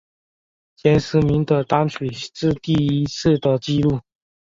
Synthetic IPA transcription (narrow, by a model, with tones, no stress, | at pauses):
t͡ɕjɛ˥nsɹ̩˧˥mi˧˥ŋt̪ə˨˩t̪ɑ˥ŋt͡ɕʰy˨˩t͡sɹ̩˥˧t̪i˥˩i˥t͡sʰɹ̩˥˩t̪ə˨˩t͡ɕi˥˧lu˥˩